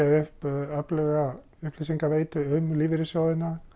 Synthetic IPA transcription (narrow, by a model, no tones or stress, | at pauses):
aʏhpœplɛɣa | ʏhplɪs̬iŋkaveːjt̪ʏʏmliːvɪɾɪsjoːwðɪna